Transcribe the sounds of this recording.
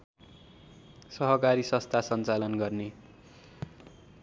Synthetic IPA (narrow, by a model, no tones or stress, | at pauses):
sʌɦʌkaɾisʌ̃st̪ʰasʌnt͡salʌnɡʌrne